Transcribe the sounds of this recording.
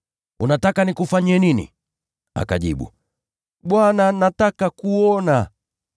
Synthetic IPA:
unatakanikufaɲɛninḭ | a̰kaʄiɓṵ | ɓwananatakakuɔna

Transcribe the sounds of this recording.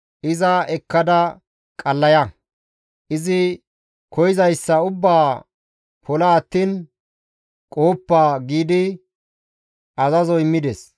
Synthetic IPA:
ʔɪzɐɛkːɐd̪ɐ | kʼɐlːɐjɐ | ʔɪzɪ | kʰɔjɪzɐjsːɐʊbːaː | pʰɔlɐːt̪ːiːn | kʼo̞ːpːaːɡiːd̪ɪ | ɐzɐzɔɪmːɪd̪ɛs

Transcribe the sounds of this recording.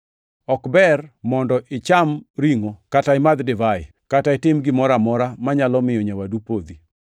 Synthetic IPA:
ɔkbɛrmɔndɔʔɪt͡ʃamɾiŋokataɪmad̪dɪvajɪ | kataɪtɪmɡɪmɔɾamɔɾamaɲalɔmɪjɔɲawadupod̪i

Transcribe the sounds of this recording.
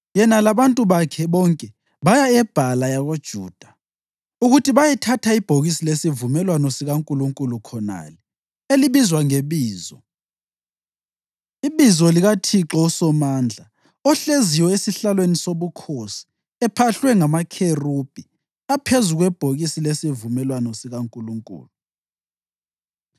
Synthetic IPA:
jɛnalaβantʼuβakʰɛβɔŋkʼɛ | βajaɛb̥ʱalajaɣod̥ʒ̥ʱṵːd̥ʱḁ | uɣutʰiβajɛtʰatʰaib̥ʱoɣisilesivumɛlwanɔsiɣaŋkʼuluŋkʼulukʰɔna̰lɛ | eliβizwaŋeβiːzɔ | iβizɔliɣatʰiǁɔusɔmaːnd͡ɮʱa | ɔɬeziwɔesiɬalwenisoβukʰosi̥ | ɛpʰaɬwɛŋamakʰerub̥ʱi | apʰezuɣwɛb̥ʱoɣisilesivumɛlwanɔsiɣaŋkʼuluŋkʼṵːlu

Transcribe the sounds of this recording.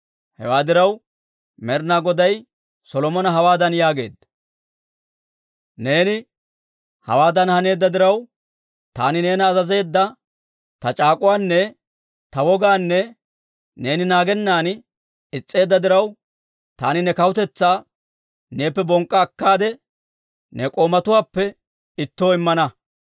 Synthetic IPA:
hɛ̰waːd̪ɪɾɐw | mɛɾnaɡɔd̪ɐj | sɔlɔmɔnɐɦɐwaːd̪ɐnjaːɡe̞̰ːd̪ɐ | ne̞ːnɪ | hɐ̰waːd̪ɐnhɐne̞ːd̪ːɐd̪ɪɾɐw | t̪a̰ːnɪne̞ːnɐːzɐze̞ːd̪ːɐ | t̪ɐt͡ʃʼaːkʼʊwaːnːɛ | t̪ɐwɔɡaːnːɛ | ne̞ːnɪnaːɡɛnːaːn | ɪt͡sʼːe̞ːd̪ːɐd̪ɪɾɐw | t̪a̰ːnɪnɛkɐwʊt̪ɛt͡sːaː | ne̞ːpːɛbɔŋkʼːɐːkːaːd̪ɛ | nɛkʼoːmɐt̪ʊwaːpːɛ | ɪt̪ːo̞ːɪmːɐnɐ

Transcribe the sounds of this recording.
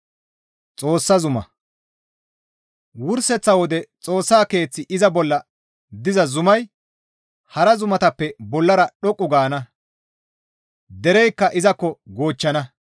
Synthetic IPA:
t͡sʼo̞ːsːɐzʊmɐ̰ | wʊɾsɛt͡sːɐwɔd̪ɛt͡sʼo̞ːsːaːke̞ːt͡sːɪʔɪzɐbɔlːɐ | d̪ɪzɐzʊmɐj | hɐɾɐzʊmɐt̪ɐpːɛbɔlːɐɾɐɗɔkʼːʊɡaːnɐ | d̪ɛɾɛjkːɐʔɪzɐkːɔɡo̞ːt͡ʃːɐnɐ

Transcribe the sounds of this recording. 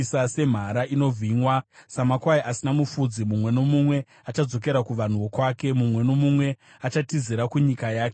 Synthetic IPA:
sase̞m̤aɾaino̞vʱiɲwasamakwaiʔasinamufud͡zimumwe̞no̞mumwe̞ | at͡ʃad͡zo̞ke̞ɾakuʋan̤uʋo̞kwaːke̞mumwe̞no̞mumwe̞ | at͡ʃatiziɾakuɲikajaːke

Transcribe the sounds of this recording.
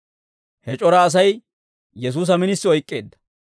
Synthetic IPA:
hɛt͡ʃʼɔɾɐːs̬ɐj | jɛs̬uːs̬ɐmɪnɪsːɪɔjkʼːe̞̰ːd̪ːɐ̥

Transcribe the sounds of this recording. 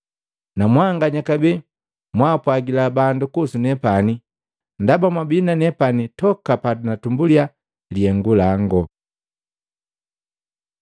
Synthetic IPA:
namwaŋɡaɲakabi | mwaːpwaɡilabandukusunɛpani | ndabamwabinanɛpanitɔkapadunatumbulja | liɛŋɡulaŋɡɔ

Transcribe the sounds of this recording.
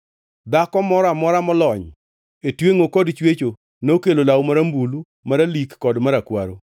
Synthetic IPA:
d̪akɔmɔɾamɔɾamɔlɔɲ | etweŋokɔdt͡ʃwet͡ʃo | nokelolawmaɾambulu | maɾalikːɔdmaɾakwa̰ɾo

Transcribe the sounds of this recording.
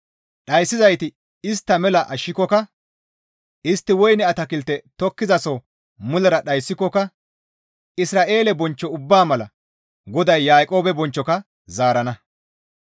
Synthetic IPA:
ɗɐjsːɪzɐjt̪ɪ | ɪst̪ːɐmɛlɐʔɐʃːɪkːɔkɐ | ʔɪst̪ːɪwɔjnɛɐt̪ɐkɪlt̪ːɛt̪ɔkːɪzɐsɔ | mʊlɐɾɐɗɐjsːɪkːɔkɐ | ɪsɾaːʔe̞ːlɛbɔnt͡ʃːɔʊbːaːmɐlɐ | ɡɔd̪ɐjːaːkʼo̞ːbɛbɔnt͡ʃːɔkɐ | zaːɾɐnɐ

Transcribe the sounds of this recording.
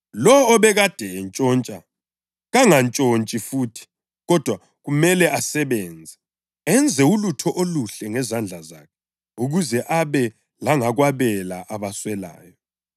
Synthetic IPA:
lɔːβɛɣad̥ʱɛnt͡ʃʼɔːnt͡ʃʼa | ɣaŋant͡ʃʼont͡ʃʼifuːtʰi̥ | ɣɔd̥ʱwa | ɣumɛlɛʔasɛβɛːnd͡zʱɛ | ɛnd͡zʱɛulutʰɔʔoluɬɛŋɛzand͡ɮʱaza̰kʰɛ | uɣuzɛʔaβɛ | laŋaɣwaβɛlaʔaβaswɛla̰ːjɔ

